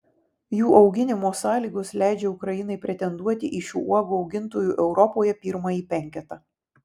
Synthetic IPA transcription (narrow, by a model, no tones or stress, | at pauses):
juːʔɒʊɡʲɪnʲɪmoːsɑːlʲiːɡʊslʲæˑɪd͡ʒʲɛʊkɾɐjɪnɐɪpʲɾʲɛt̪ʲɛnd̪uɔt̪ʲɪʔɪʃʲṵːʔuɔɡʊɒʊɡʲɪnt̪oːjuːʔɛʊɾɔpoːjɛpʲiːɾmɐjiːpʲɛŋʲkʲɛt̪ɐ